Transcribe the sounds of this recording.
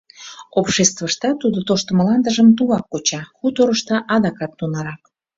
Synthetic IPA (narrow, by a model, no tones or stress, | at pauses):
opʃest̪vəʃt̪ɑt̪ud̪ot̪oʃt̪əməlɑnd̪əʒəmt̪uβɑkːot͡ɕɑxut̪oɾəʃt̪ɑʔɑd̪ɑkɑt̪ːunɑɾɑk